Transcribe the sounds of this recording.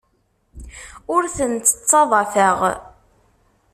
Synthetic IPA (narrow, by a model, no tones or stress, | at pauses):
ʊɾθənt̪ə̥t͡sːɑðˤɑθəʁ